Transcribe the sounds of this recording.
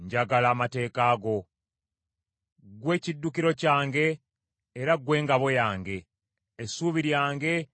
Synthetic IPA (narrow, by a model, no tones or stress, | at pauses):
ɲɟaɡalaːmate̞ːkaːɡo̞ | ɡwe̞ːcidːukiɾo̞caːŋɡe̞ː | ɾaɡwe̞ːŋɡaβo̞jaːŋɡe̞ː | suːβiɾjaːŋɡe̞